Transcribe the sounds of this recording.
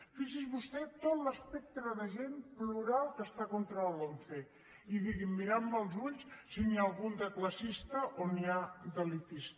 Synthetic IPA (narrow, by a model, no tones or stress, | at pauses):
fiʒizβust̪ɛt̪ot̪ləspɛk̚t̪ɾəðəʒempluɾalˠkəst̪akont̪ɾələlfe | iðiɣimːiɾamməlˠzuʎssinialˠɣund̪əkləsist̪əʔoniad̪əlit̪ist̪